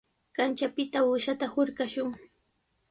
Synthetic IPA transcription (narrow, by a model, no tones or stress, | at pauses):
kant͡ʃapɪt̪aʊʃat̪ahoɾɢaʃʊŋ